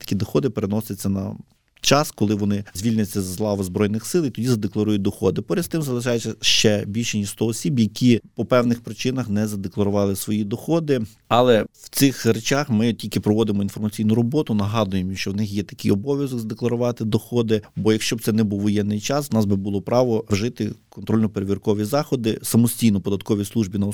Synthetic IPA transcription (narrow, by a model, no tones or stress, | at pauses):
t̪ɐ̥kʲid̪ɔxɔd̪ɪpeɾenɔsʲɪt͡sʲːɐnɐ̰ | t͡ʃɑskɔlˠɪʋɔnɪzʲʋʲilʲnʲʊt͡sʲːɐzɐzlˠɑʋɐzbɾɔjnɪxsɪlˠit̪ɔdʲizɐd̪eklˠɐɾujʊt̚ʲd̪ɔxɔd̪ɪpɔɾʲɛst̪ɪmzɐlˠɪʃɑjɛt͡sʲːɐʃt͡ʃɛbʲilʲʃenʲist̪ɔɔsʲibjɐkʲipɔpɛwnɪxpɾɪt͡ʃɪnɐxnɛzɐd̪eklˠɐɾʊʋɑlˠɪsʋɔjid̪ɔxɔd̪ɪ | ɑlˠɛw̥t̪sɪxɾet͡ʃɑxmɪtʲilʲkɪpɾɔʋɔd̪ɪmɔinfɔrmɐt͡sʲijnʊɾɔbɔt̪ʊnɐɦɑd̪ʊjemʃt͡ʃɔwnɪxjɛt̪ɐ̥kɪjɔbɔʋʲjɐzɔɡzɐd̪eklˠɐɾʊʋɑt̪ɪd̪ɔxɔd̪ɪbɔjɐkʃt͡ʃɔb̚t̪ɛnɛbuwʋɔjɛnːɪjt͡ʃɑswnɑsbɪbulˠɔpɾɑʋɔwʒɪt̪ɪkɔnt̪ɾɔlʲnɔpeɾeʋʲirkɔʋʲizɑxɔd̪ɪsɐmɔsʲtʲijnɔpɔd̪ɐt̪̚kɔʋʲislˠuʒbʲinɐ